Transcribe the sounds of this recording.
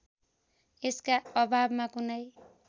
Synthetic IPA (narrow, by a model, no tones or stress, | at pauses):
eskaʌbʱabmakunʌj